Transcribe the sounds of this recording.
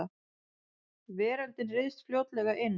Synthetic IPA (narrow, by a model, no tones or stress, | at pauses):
a | vɛːɾant̪ɪnrɪðst̪fljoːwt̪lɛɣaʔɪnː